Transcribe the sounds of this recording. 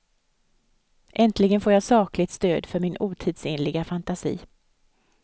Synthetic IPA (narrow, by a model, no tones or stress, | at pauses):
ʔɛnt̪ʰlɪɡənfoːɾjɑːsɑːklɪt̪st̪øːd̪fœɾmɪnʔuːt̪ʰiːd̪sɪnlɪɡafant̪asḭː